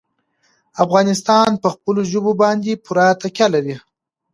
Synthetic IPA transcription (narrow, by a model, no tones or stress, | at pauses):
afɣɑnɪs̬t̪ɑnpəxpəloʒəbobɑnd̪epʊɾɑt̪akʲjalaɾi